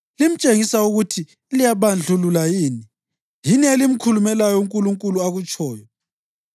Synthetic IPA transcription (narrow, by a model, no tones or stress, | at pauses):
lim̩t͡ʃʼeŋisauɣutʰi | lijaβand͡ɮʱululajiːni | jinielim̩kʰulumɛlajɔuŋkʼuluŋkʼuluaɣut͡ʃʰʼɔːjɔ